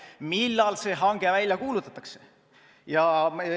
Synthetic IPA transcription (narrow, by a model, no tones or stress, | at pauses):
milːɑlse̞ːɦɑŋɡ̥e̞vælʲjɑkuːlut̪ːˑɑt̪ːˑɑkse | jɑ